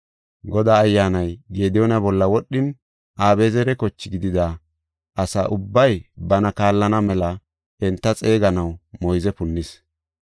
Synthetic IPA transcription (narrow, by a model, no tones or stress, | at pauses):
ɡɔd̪aːjːaːnɐjɡeːd̪ɪjoːnɐbɔlːɐwɔɗɪn | ʔaːbeːzɛɾɛkɔt͡ʃːɪɡɪd̪ɪd̪a | ʔɐsa̰ːʔʊbːɐjbɐnɐkaːlːɐnɐmɛlɐ | ɛnt̪ːɐt͡sʼe̞ːɡɐnɐwmɔjzɛpʊnːɪs